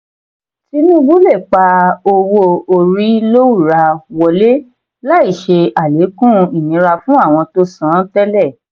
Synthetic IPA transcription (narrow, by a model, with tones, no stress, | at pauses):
ti˦nũ˦bũ˦lɛ˦˨k͡pa˧o˧wo˧o˧ɾi˦lo˦u˦˨ɾa˧wɔ˧le˦ | la˦i˦˨ʃe˧a˨le˨˦kũ˦˨˧i˨nĩ˨˦ɾa˧fũ˦a˦˨w̃ɔ̃˧to˦sã˦tɛ˦lɛ˦˨